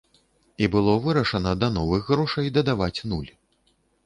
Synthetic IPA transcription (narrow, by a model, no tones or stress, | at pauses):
ibɨlˠɔvɨɾɐʂɐnɐd̪ɐnɔvɨxːɾɔʂɐjd̪ɐd̪avat͡sʲnulʲ